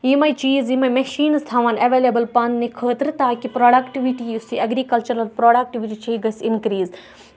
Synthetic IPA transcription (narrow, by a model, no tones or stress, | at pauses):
jimɐjt͡ʃiːzimɐjmɐʃiːnst̪ʰaʋaːnɐʋeːlebɐlpɐnnekʰəːt̪ɾt̪aːkipɾoːɖɐkʈiʋiʈiusiɐɡɾiːkɐlt͡ʃɐɾɐlpɾoːɖak̚ʈiʋiʈit͡ʃʰɐɡɐsinkɾiːz